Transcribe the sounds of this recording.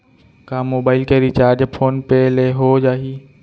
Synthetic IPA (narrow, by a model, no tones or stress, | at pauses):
kãːmoːbaːɪlkeɾit͡ʃaːɾd͡ʒpʰoːnpeleɦod͡ʒaːɦiː